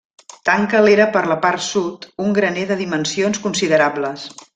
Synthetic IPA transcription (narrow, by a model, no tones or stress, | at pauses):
t̪aŋkəleɾəpəɾləparsut̪uŋɡɾəneðəðimənsionskunsiðəɾabləs